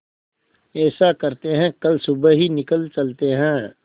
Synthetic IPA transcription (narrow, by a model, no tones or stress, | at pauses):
ɛːsakɐɾt̪eɦɛ̃kɐlsʊbɦinɪkəlt͡ʃɐlt̪eɦɛ̃ː